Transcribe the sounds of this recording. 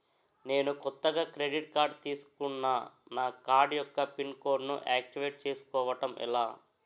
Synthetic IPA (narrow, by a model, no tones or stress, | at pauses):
ne̞ːnukɔt̪ːɐɡaːkɾeɖiʈ̚kaːɾɖt̪iːsu̥kunːanaːkaːɾɖjɔkːɐpinko̞ːɾɖnṵʔaːk̚ʈiʋeːʈ̚t͡ʃe̞ːsu̥kɔːʋɐʈɐmḭlaː